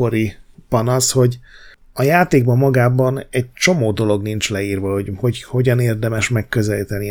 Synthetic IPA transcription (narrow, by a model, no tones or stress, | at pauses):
oɾipɒnɒsho̞ɟ | ɒjaːt̪eːɡ̚bɒmmːɒɡaːbɒnɛɟ̚t͡ʃo̞moːd̪o̞lo̞ɡnint͡ʃlɛiːrvɒho̞ɟho̞ɟho̞ɟɒneːrd̪ɛmɛʃmɛkːø̞zɛlit̪ɛni